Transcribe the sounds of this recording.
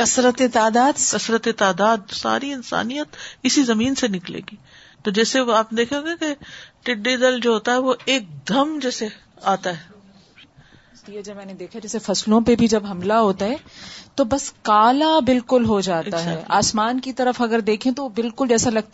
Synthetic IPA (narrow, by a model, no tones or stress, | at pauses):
kɐsɾət̪et̪aːd̪aːd̪kɐsɾət̪et̪aːd̪aːd̪sa̰ːɾiɪnsa̰ːnijət̪ɪsizɐmiːnsenɪklḛːɡiː | t̪od͡ʒɛːseaːpned̪eːkʰeɡekeʈɪɖːiːd̪əld͡ʒoːɦoːt̪aɦɛʋoeːk̚d̪ʱɐmd͡ʒɛːse | aːt̪aɦɛː | t̪ied͡ʒɐbmɛːned̪eːkʰad͡ʒɛːsefɐslõpebʱid͡ʒɐbɦɐmlaɦoːt̪aɦɛːt̪obɐskaːlabɪlkʊlɦod͡ʒaːt̪aɦɛːaːsmaːnkit̪ɐɾəfɐɡəɾd̪eːkʰẽt̪obɪlkʊld͡ʒɛːsalɐɡ̚t̪